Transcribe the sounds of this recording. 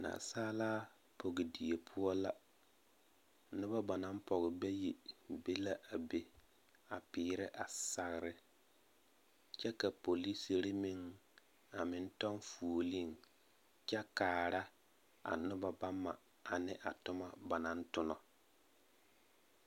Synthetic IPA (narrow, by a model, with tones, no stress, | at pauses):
na̰ː˨saː˦laː˦ | po˨ɡɪ˨di˨e˨pʰʊ˦ɔ˦la˦ | nʊ˦ba˦ba˨na˦mpɔ˨ɣɪ˨bɛ˦ji˨be˦la˦ʔa˨be˦ | a˨pɪː˨˦ɾɪ˦ʔa˨sa˨ɣɪ˨ɾɪ˦ | t͡ʃɛ˦ka˨po˨li˦si˨ɾɪ˦mɪ˦ŋ | a˨mɪ˦n˦tɔ˦n˦fu˨o˨li˦˨ŋ | t͡ʃɛ˦kaː˨ɾa˦ | a̰˨nʊ˦ba˦ba˦mːa̰˨ | a˨nɪ˦ʔa˨tʊ˦ma˦ba˨na˦n˦tʊ˦nɔ˨